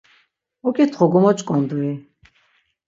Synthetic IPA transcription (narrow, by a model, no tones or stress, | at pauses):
ɔkʼit̪ʰχɔɡɔmɔt͡ʃʼkʼɔnd̪ui